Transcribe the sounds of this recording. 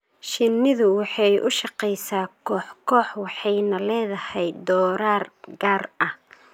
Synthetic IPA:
ʃɪnːɪðʊwɑħɑjʔʊ̰ʃɑqɛjsaːkʰɔːħkʰɔːħwɑħɑjnɐlɛːðɐhɛjd̪ɔːɾaːrɡaːrʔɐh

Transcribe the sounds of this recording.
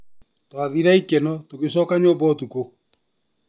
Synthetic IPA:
twaðiɾaikɛnɔtoɣesɔkaɲoːbɔtuko

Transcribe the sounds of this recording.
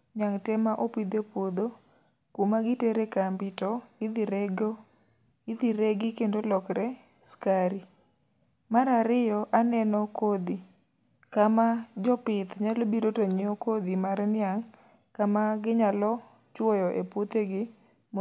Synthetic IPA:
njaŋtɛmaʔopid̪epwod̪o | komaɡɪteɾekambitɔɪd̪iɾɛɡo | id̪iɾeɡɪkendolɔkɾɛ | skaɾi | maɾaɾɪjɔʔanɛnɔkod̪i | kamad͡ʒɔpɪt̪ɲalobiɾotoɲɪɔkod̪imaɾɛnɪaŋ | kamaɡɪɲalɔ | t͡ʃwɔjɔʔepwot̪eɡɪ | m

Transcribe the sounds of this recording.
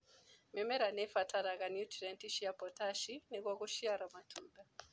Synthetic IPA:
mɛmɛɾanɛfatʰaɾaɣanjutiɾɛntiʃiapɔtaʃiniɣɔɣuʃiaɾamatʰumbɛ

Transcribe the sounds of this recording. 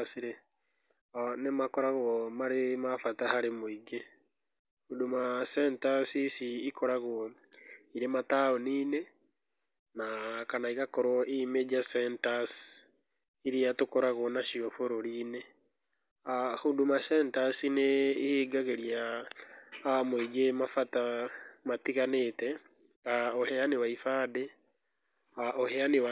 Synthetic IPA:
siɾe | anemakɔɾaɣwɔmaɾemafatahaɾemoiɡe | hudomasɛntasisiːkʰɔɾaɣo | iɾemataoniːne | nakanaiɣakɔɾwɔʔimed͡ʒasɛntas | iɾiatokoɾaɣonaʃiɔfoɾoɾiːne | ahondumasɛntasineiheɡaɣeɾia | amwiɡemafatamatiɣanetɛ | aoheaniwaifade | aoheaniwa

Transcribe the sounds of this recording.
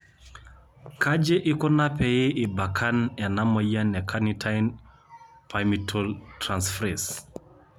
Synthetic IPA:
kad͡ʒeʔikɔnapɛjeʔibakʰanɛnaməjanɛkʰanitʰajn | pʰamitʰoltɾansfɾes

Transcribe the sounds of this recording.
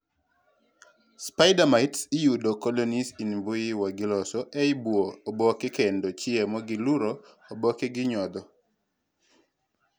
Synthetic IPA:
spaɪdamaɪtsɪjudokɔlonisinbʊjiwaɡɪlɔsɔʔeɪbwoːbɔkɪkendot͡ʃɪɛmɔɡɪluɾo | obɔkeɡɪɲɔd̪ɔ

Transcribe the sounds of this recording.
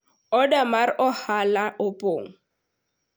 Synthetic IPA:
ɔdamaɾʔɔhalaʔʊpʼo̰ːŋ̩

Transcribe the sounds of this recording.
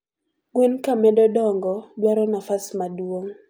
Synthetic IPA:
ɡwenkamɛdɔdɔŋɡɔdwaɾɔnafasmadwoŋ

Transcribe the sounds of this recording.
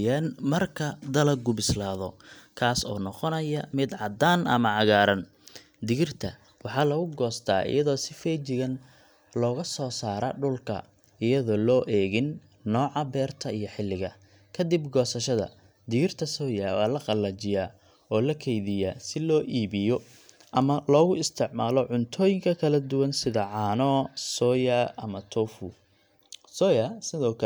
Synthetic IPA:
anmɐrkʰɐd̪ɐlɐɡʊbɪslaːðɔkʰaːsɔ̰ːnɔqɔnɐjɐmɪd̪ʕɑd̪aːnʔɐ̰mɐʕɑɣaːɾɐn | d̪ɪɣɪrt̪ʰɐ | wɑħɑːlɐɣʊɡɔːst̪ʰaːʔɪ̰jɐðɔːsɪfɛt͡ʃɪɣɐn | lɔːɣɐsɔːsaːɾɐ̰ɖʊlkʰɐ̰ | ɪjɐðɔːlɔːʔɛːɣɪnː | ɔːʕɑbɛːrt̪ʰɐijɔħɪlːɪɣɐ | kʰɐd̪ɪbɡɔːsɐʃɐðɐ̰ | d̪ɪɪrt̪ʰɐsɔːjawaːlɐqɑlːɐt͡ʃɪjaː | ɔːlɐkʰɛjðɪja̰ːsɪlɔːʔiːβɪjɔ | ʔɐmɐlɔːɣʊɪst̪ʰɪʕmaːlɔʕʊnt̪ʰɔːjɪŋkʰɐkʰɐlɐd̪ʊwɐnsɪðɐʕɑːnɔːsɔjɐʔɐmɐt̪ʰɔfʊ | sɔjɐsɪðɔːkʰɐ

